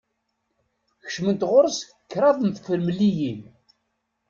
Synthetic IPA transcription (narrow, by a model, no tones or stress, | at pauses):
çə̥ʃmənt̪ʁʊɾˤəsəkːɾˤɑðˤəmθfəɾmlijin